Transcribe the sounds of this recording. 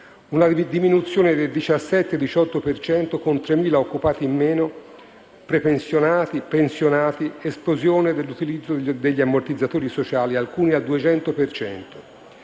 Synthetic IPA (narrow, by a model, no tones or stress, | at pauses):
unad̪iminut̪sːjoːned̪eld̪it͡ʃasːɛt̪ːed̪it͡ʃɔt̪ːopert͡ʃɛnt̪okont̪ɾemiːlaokːupaːt̪imːɛːno | pɾepensjonaːt̪ipensjonaːt̪iesplozjoːned̪elːut̪ilid̪zːod̪eʎːiamːort̪id̪zːat̪oːɾisot͡ʃaːlialkuːniad̪uet͡ʃɛnt̪opert͡ʃɛ̰nt̪o̥